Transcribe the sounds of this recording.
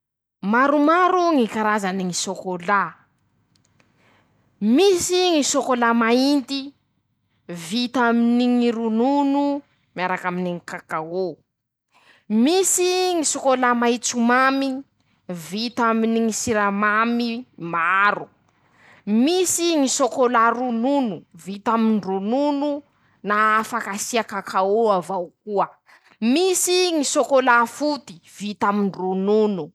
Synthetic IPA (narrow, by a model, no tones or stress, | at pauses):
maɾumaɾuŋikaɾazaniŋisokola | misiŋisokolamaint̪i | vit̪aminiŋiɾununu | miaɾakaminiŋikakao | misiŋisokolamait͡sumami | vit̪aminiŋisiɾamamimaɾu | misiŋisokolaɾununuvit̪amiɳɖ͡ʐununu | naːfakasiakakʰaoavawkuə | misiŋisokolafut̪i̥v̥it̪amiɳrununu